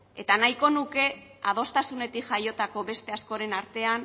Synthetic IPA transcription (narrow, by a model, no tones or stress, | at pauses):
e̞t̪anajko̞nuke̞aðo̞st̪asune̞t̪ikʝajo̞t̪ako̞βe̞st̪e̞askoɾe̞naɾt̪e̞an